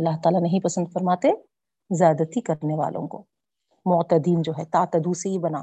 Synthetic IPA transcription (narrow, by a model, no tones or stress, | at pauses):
ɐlːaɦt̪aːlanɐɦĩpɐsə̃nd̪fɐɾmaːt̪e | zjaːd̪ət̪ikɐɾneʋa̰ːlʔõ̰ko̰ː | mɔːt̪əd̪iːnd͡ʒoːɦɛt̪aːt̪əd̪useɦibɐnaː